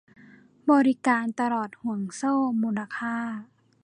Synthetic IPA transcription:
bɔː˧ɾi˦˥kaː˨˧nt̪a˧lɔː˨˩t̪̚hu˨˩˦əŋsoː˥˩muː˧˦nla˧kʰaː˥˩˨

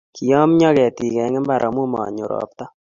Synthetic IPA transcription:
ki˨jɔ˦m˦ɲɔ˦kɛ˨ti˨kɛ˨˦ŋɛ˦mba˦ɾʔɔ˨mu˦mɔ̰˨ɲʊ˨ɾɔ̰˨p̚tɔ˦

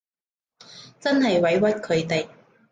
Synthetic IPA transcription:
t͡sɐ˥nɦɐ˨jwɐ˨˥jwɐ˥t̚kʰɵ˨˧ɥt̪e˨j

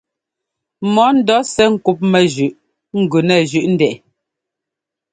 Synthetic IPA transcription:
mɔ˨˦n̩˦dɔ˨˦sɛ˦ŋ̩˦ku˦p̚mɛ˨ʒʉ˨ʔ | ŋ̩˨ɡʉ˨nɛ˦˨ʒʉ˨ʔn̩˦dɛ˨ʔ

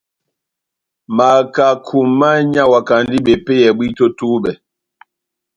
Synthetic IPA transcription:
ma˨ka˨kʰu˨ma˦ɲa˦wa˨ka˨ndi˦ɓe˨pe˦jɛ˨ɓwi˦to˦tuː˦ɓɛ˨

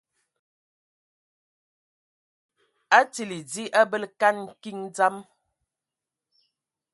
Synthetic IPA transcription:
a˦ti˨li˨d͡zi˦ʔa˦bə˦lka˦nŋ̩˨ki˦ŋd͡za˦m

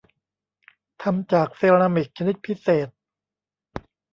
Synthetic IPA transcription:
t̪ʰa˧mt͡ɕaː˨˩k̚se˧ɾa˧mi˨˩k̚t͡ɕʰa˧ni˦˥t̪̚pʰi˦˥seː˨˩t̪̚

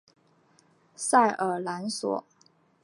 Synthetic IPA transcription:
sa˥˩ɪʔə˞˨˩la˧˥nswɔ̰˨˩˦

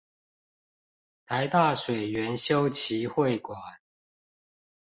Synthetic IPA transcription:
t̪ʰa˨˦ɪt̪a˥˨ʂwe˨˩ɪɥɛ˨˦nɕjo˦ʊt͡ɕʰi˨˦xwe˥˨ɪkwa˨˩n

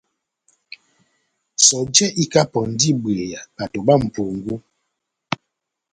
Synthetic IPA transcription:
sɔ˨d͡ʒɛ˦ʔi˦ka˦pɔ˨n̩˨˦di˦bwe˨ja˨ɓa˨to˨ba˦˨m̩˨po˨ŋɡu˦

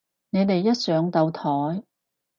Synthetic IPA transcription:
ne˨˧jt̪e˨jːɐ˥t̚sœː˨˧ŋt̪ɐ˧wt̪ʰɔː˨˥j

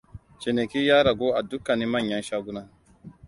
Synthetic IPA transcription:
t͡ʃe˨ne˨ki˦jaː˦ɾa˨ɡo˦ʔa˨du˦kːa˨ni˦mɐ˦˨ɲjɐ˦nʃa˦ɡu˦na˦

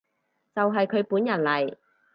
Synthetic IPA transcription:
t͡sɐ˨wɦɐ˨jkʰɵ˨˧ɥpuː˨˥njɐ˨˩nlɐ˨˩j

